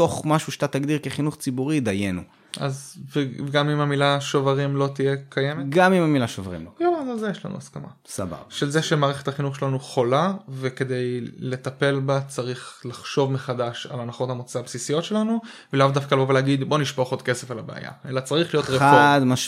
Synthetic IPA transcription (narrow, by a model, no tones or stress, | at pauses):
to̞χmaʃuʃat̪at̪aɡd̪iʁkeχinuχt͡sibuʁid̪ajenṵ | azvevɡamimhamilaʃovaʁimlo̞t̪ijekʰajemeɡamimamilaʃovaʁḭmlooazazejeʃla̰nṵaskama̰sa̰ba̰baʃe̞lzeʃemaːʁeχe̞t̪haχinuχʃelanuχo̞laveke̞d̪e̞jle̞t̪ape̞lbat͡saʁiχlaχʃo̞vmeχad̪aʃa̰lanaχo̞t̪hamot͡sabsisijo̞tʃe̞lanu | velavd̪afkaloveleːɡid̪boniʃpoχod̪̚ke̞se̞falabea̰ja̰e̞lat͡saʁiχlijotʁeafd̪maʃ